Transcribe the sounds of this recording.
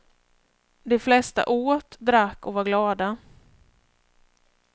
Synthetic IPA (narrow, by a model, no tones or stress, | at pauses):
d̪ɛflɛst̪a̰ʔoːt̪d̪ɾakːɔvaɾɡlɑːd̪a